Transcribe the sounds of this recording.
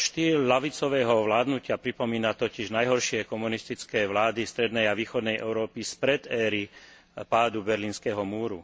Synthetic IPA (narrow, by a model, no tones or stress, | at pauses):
ʃt̪iːɾlaʋit͡sɔʋɛːɦɔʋlaːd̪nucɪapɾipɔmiːnat̪ɔciʒnajɦɔɾʃɪɛkɔmunist̪it͡skɛːʋlaːd̪ist̪ɾɛd̪nɛjaʋiːxɔd̪nɛjʔɛ̰ʊɾɔːpispɾɛd̪ɛːɾi | paːd̪ubɛɾliːnskɛɦɔmuːɾṵ